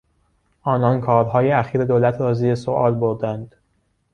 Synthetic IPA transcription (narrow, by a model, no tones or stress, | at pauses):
ʔɒːnɒːnkʰɒːɾɦɒːjeæxiːɾe̞d̪oːlæt̪ʰɾɒːziːesoʔɒːlboɾd̪ænd̪̥